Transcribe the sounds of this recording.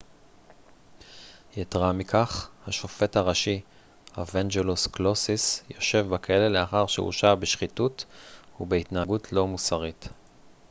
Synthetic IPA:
jetʁamikʰaχhaʃo̞fe̞taʁaʃi | havand͡ʒelusklosisjo̞ʃe̞vbekaele̞le̞aχaʁʃḛṵʃabeʃχituthubeitnaaɡutʰlo̞musaʁit

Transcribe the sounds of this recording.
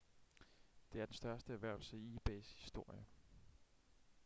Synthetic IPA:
d̥e̝æɐd̥ensd̥ɶɐsd̥əæɐʋæɐ̰l̩səiːb̥eshisd̥o̝ɐ̰jə

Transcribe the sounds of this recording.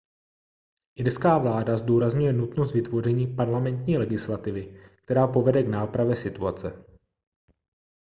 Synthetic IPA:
ʔɪɾskaːvlaːdazduːɾazɲujɛnut̪nost̪vɪt̪vo̞rɛɲiːpaɾlamɛnt̪ɲiːlɛɡɪslat̪ɪvɪk̚t̪ɛɾaːpo̞vɛdɛɡnaːpɾavjɛsɪt̪uat͡sɛ

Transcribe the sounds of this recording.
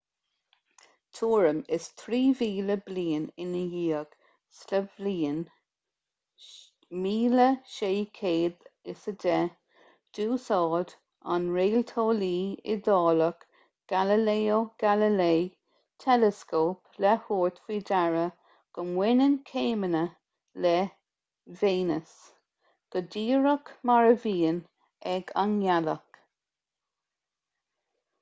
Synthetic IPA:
t̪ʰuːɹəmɪst̪ʰɾiːviːləbliːənɪnəjiːəɡ̥ | sləvliːn | miːləʃeːkʰeːd̪ɪsədɛ | d̥uːsɑːd̪ | a̰nɹeːlt̪ʰoːliːɪ̰d̪ɑːlək | ɡ̥aləleːoɡ̥aləlej | t̪ʰɛləskoːplɛhuːɹt̪v̥iːdaɹə | ɡ̥əmwɪnənkʰeːmənə | lɛ | veːnəs | ɡ̥ədiːɹəkmaɹəviːən | ɛɡanjalək

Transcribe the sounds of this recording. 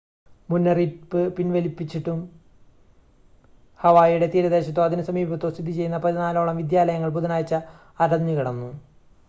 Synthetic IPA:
munːɐripːɨpinʋelipːit͡ɕːiʈːum | hɐʋaːjuɽe̞t̪iːɾɐðe̞ːɕɐt̪ːoːɐðinɨsɐmiːbɐt̪ːoːst̪ʰid̪it͡ɕe̞jːunːɐpɐðinaːlo̞ːɭɐmʋid̪jaːlɐjɐŋːɐɭpuðɐnaːjt͡ɕːɐ | ɐɾɐɲːikɐɽɐnːu

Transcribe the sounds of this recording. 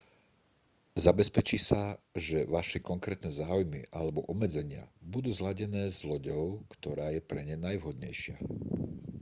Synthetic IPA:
zabɛspɛt͡ʃisaʒɛʋaʃɛkɔŋkɾɛːt̪nɛzaːujmiʔalɛbɔʔɔbmːɛd͡zɛɲɪa̰bud̪uːzlaɟɛnɛːzlɔɟɔʊkt̪ɔɾaːjɛpɾɛɲɛnajʋɦɔd̪ɲɛ̰jʃɪa̰

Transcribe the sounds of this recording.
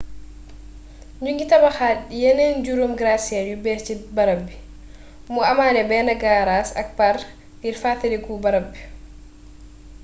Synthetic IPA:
ɲuŋɡitabaxajɛnɛnd͡ʒuɾumɡɾasiajubɛt͡ʃibaɾabɛ | muamanɛbɛnaɡaɾasa̰k̚paɾ | diɾfatalikubaɾabːɛ̥

